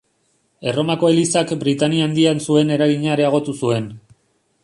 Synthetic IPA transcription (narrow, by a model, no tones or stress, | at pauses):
e̞ro̞mako̞e̞lisakbɾit̪aniand̪iansue̞ne̞ɾaɣiɲaeɾe̞aɣ̞o̞t̪usue̞n